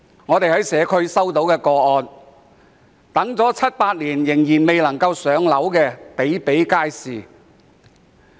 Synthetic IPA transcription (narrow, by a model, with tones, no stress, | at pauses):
ŋɔː˨˧t̪e˨jhɐ˨˥jsɛː˨˧kʰɵ˥ɥsɐ˥wt̪o˨˥wkɛː˧kɔː˧ɔː˧n | t̪ɐ˨˥ŋt͡sɔː˨˥t͡sʰɐ˥t̚paː˧t̚liː˨˩njɪ˨˩ŋjiː˨˩nme˨jlɐ˨˩ŋkɐ˧wsœː˨˥ŋlɐ˨˥wkɛː˧pe˨˥jpe˨˥jkaː˥jsiː˨